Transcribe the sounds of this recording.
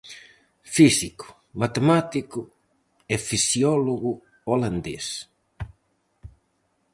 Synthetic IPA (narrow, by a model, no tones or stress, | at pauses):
fisikʊ̥ | mat̪emat̪ikʊ | efisjɔloɣʊ | oland̪es